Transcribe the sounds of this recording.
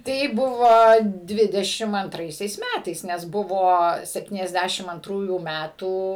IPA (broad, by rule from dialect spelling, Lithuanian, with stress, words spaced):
ˈtɐɪ ˈbʊʋoː ˈdʲʋʲɪdʲɛʃʲɪm ɐnˈtrɐɪsʲɛɪs ˈmʲætɐɪs nʲɛs ˈbʊʋoː sʲɛpʲtʲiːnʲɛzʲˈdʲæʃʲɪm ɐnˈtruːjuː ˈmʲætuː